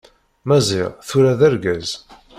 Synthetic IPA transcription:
mæzḭʁθʊɾaðæɾɡæz

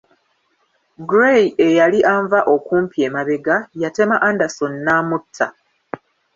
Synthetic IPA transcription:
ɡɾeie̞jaliʔaːɱvaʔo̞kuːmpie̞ːmaβe̞ɡajate̞maʔandasonːaːmutʰːa̰

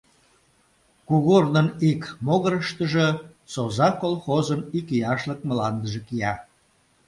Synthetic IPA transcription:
kuɣornənikmoɣəɾəʃt̪əʒə̆ | sozɑkolˠxozənikijɑʃlək̚məlɑnd̪əʒə̆kijɑ

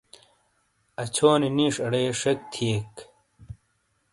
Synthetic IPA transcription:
ɐt͡ɕʰoːniniːʂɐɽeːʂɐk̚t̪ʰiek

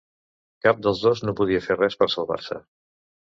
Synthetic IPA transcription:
kap̚d̪əlˠzðoznopuð̞iəferɛspəɾsəlˠβa̰ɾsə̰

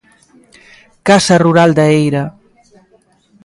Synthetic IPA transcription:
kasəruɾalˠd̪əejɾa

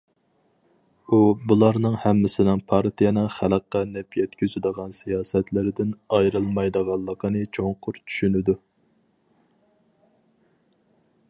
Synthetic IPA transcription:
ubulˠɑɾnɨŋhɛmːɪsɪnɪŋpʰɑɾt̪ʰijɛnɨχæləqːɑnɛpjɛt̪kʲyzyd̪əʁɑnsijɑːsɛt̪lɪɾɪd̪ɪnɑjɾɨlˠmɑjd̪əʁɑlˠːəqʰənɨt͡ʃʰoŋqʰʊɾt͡ʃʰy̥ʃynɪd̪u

